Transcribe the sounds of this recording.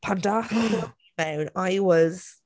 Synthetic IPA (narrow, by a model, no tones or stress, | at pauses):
pʰãnda | mɛ̃wnajwɒz̥